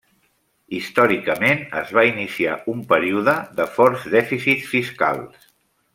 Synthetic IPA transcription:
ist̪ɔɾikəmenə̰zβainisiaumpəɾiuðəðəfɔrzðɛfisit̪sfiska̰lˠs

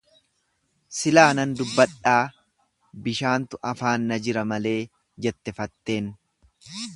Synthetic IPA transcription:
sɪlaːnɐnd̪ʊbːɐᶑaː | bɪʃaːnt̪ʊʔɐfaːnːɐd͡ʒɪɾɐmɐle̞ː | d͡ʒɛt̪ːɛfɐt̪ːe̞ːn

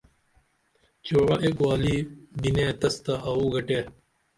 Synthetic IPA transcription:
t͡ɕoːɾɐʔekwaːlibineːt̪ɐst̪aʔɐuːɡɐʈeː

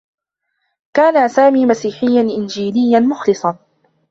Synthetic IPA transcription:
kaːnasaːmiːmasiːħɪjːanʔɪnd͡ʒiːlɪjːanmʊxlɨsˤɑn

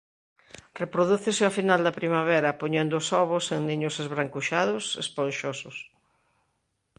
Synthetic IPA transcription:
repɾoðuθeseafinald̪ɐpɾimaβ̞ɛɾɐpoɲend̪ʊːsɔβ̞ʊseŋniɲʊsezβɾaŋkuʃaðʊsḛsponʃosʊs

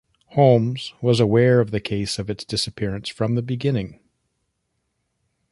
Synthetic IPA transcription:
hõʊmz̥wʌzəwɛɹʌvðɨkʰeɪsʌvɨtsd̥ɪsɨpʰɪɹɨ̃nsfɹʌ̃mðɨbɨɡɪ̃nɪ̃ŋ

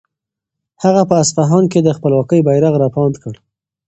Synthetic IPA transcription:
haɣapəasfaɦɑnked̪əxpəlwɑkəjbajɾaɣɾɑpɑnt̪kəɽ

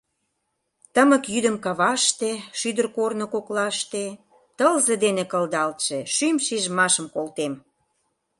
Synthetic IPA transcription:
t̪əmə̆kjyd̪ə̆mkɑβɑʃt̪eʃyd̪ərkornokoklɑʃt̪e | t̪əlzed̪enekəld̪ɑlt̪ʃeʃymʃiʒəmɑʃəmkolt̪em

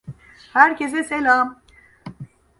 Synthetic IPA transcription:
hæɾkes̬eselaːm

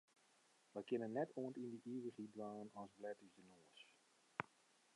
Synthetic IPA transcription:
ʋəjkɪnənːɛtʰoəntindəʔiːʋəχidʋaːənɔsblɛtyzdənoəs

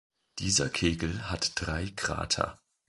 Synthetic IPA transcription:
d̥iːzɐkʰeːɡl̩hatd̥ʁaɪɡʁ̥a̰ːtʰɐ̰

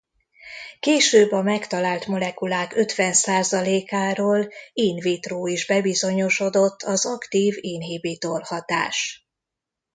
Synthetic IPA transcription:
keːʃøːbɒmɛkt̪ɒlaːlt̪mo̞lɛkulaːkø̞t̪ʋɛnsaːzɒleːkaːɾoːliːnveːt̪roːiʒbɛbizo̞ɲo̞ʃo̞d̪o̞t̪ʰːɒzɒkt̪iːveːnɦeːbeːt̪olhɒt̪a̰ːʃ

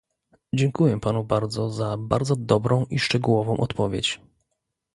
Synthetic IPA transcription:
d͡ʑɛŋkujɛpanubaɾd̪zɔzaba̰ɾd̪zɔd̪ɔbɾɔ̃w̃ʔiʂt͡ʂɛɡuwɔvɔ̃w̃ʔɔt̪pɔvʲjḛt͡ɕ

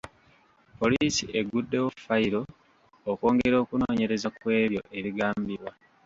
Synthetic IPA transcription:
po̞liːsiʔeɡudːe̞wofaiɾo̞ː | ko̞ːŋɡe̞ɾo̞ːkunoːɲe̞ɾe̞zakwe̞ːβjo̞ʔe̞βiɡaːmbiβwa

